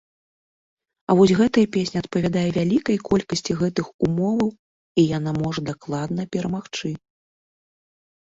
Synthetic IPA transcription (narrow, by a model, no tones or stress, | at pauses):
ɐvɔsʲɣɛt̪ɐjɐpʲesʲnʲiɐt̪̚pɐvʲad̪ajɛvʲalʲikɐjkɔlʲkɐsʲt͡sʲiɣɛt̪ɨxumɔvɐw | ijan̪amɔʐɐd̪aklˠad̪nɐpʲɛɾɐmaxt͡ʂɨ